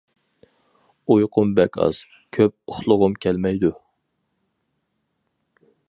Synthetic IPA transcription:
ujqʰʊmbɛkʲʰɑ̰z̥ | kʲʰøp̚ʊχlˠʊʁʊmkʲʰɛlmɛjd̪u

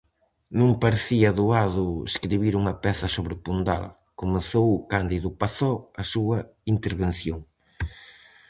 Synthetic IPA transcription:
nũŋpaɾeθiɐðuaðʊḛskɾiβiɾuŋɐpɛθɐsoβɾɪpund̪a̰l | komeθowkand̪iðʊpaθɔɐsuɐ | int̪eɾβenθjoŋ

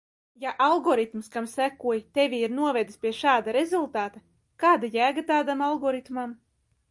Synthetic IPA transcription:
jaʔalˠɡɔɾit̪mskamsækuɔjt̪evʲiiɾnuɔvɛd̪ɨspʲiɛʃaːd̪aɾezulˠt̪aːt̪a | kaːd̪ajæːɡat̪aːd̪amalˠɡɔɾit̪mam

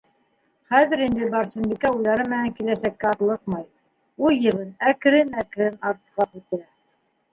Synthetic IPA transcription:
χæðɘ̆ɾind̪ɘbɑɾʃɘ̆mbikæujlˠɑɾɤmɘ̆næŋkilæsækːæɑt̪lˠɤq̚mɑj | ujːɤ̆βɤnæk̆ɾɘnæk̆ɾɘnɑɾt̪qɑpʉt̪æ

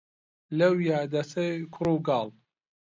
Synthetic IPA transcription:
lɐwjaːd̪ɐsɐjkʰʊɾuːɡɑːl

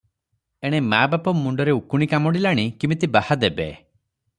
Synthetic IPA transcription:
eɽ̃emabapɔmuɳɖɔɾeukuɽ̃ikamɔɽilaɽ̃ikimit̪ibahad̪ebe

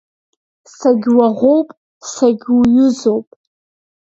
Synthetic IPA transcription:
saɡʲwaʁʷo̞wpʼ | saɡʲujʊzowpʼ

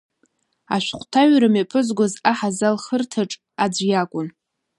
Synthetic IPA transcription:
a̰ʃᶣʷχʷtʰaɥɾamapʰɨzɡʷozaħazalχərtʰaʈ͡ʂʼ | ad͡ʒʷjakʷʼʊn

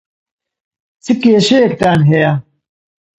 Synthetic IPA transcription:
t͡sikeːɕeek̚t̪aːnɦeja

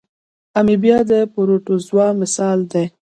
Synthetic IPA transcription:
amibjɑd̪əpoɾoʈozwɑmɪsɑld̪e

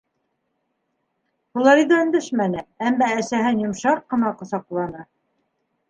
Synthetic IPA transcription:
hulˠɑɾid̪æɵ̆nd̪ɘʃmænɘæmːæːsæɦɘnjŏmʃɑq̚qːɤ̆nɑqŏsɑqlˠɑnɤ

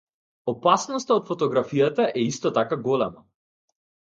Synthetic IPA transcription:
ɔpasnɔst̪aɔt̪fɔt̪ɔɡɾafijat̪aʔɛist̪ɔt̪akaɡɔlɛma

